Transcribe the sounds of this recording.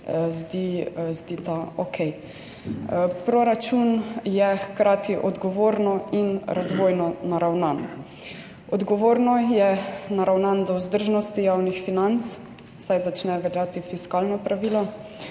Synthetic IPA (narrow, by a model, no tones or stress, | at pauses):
zd̪izd̪it̪aokʰɛj | pɾɔɾat͡ʃunjɛxkɾaːt̪iʔɔd̪ɡɔʋoːɾnɔinɾazʋojnɔnaɾawnan | ɔd̪ɡɔʋoːɾnɔjɛnaɾawnand̪ɔuzd̪əɾʒnɔst̪ijawnixfinant̪t͡ss | sajzat͡ʃnɛʋɛljat̪ifiskalnɔpɾaʋiːlɔ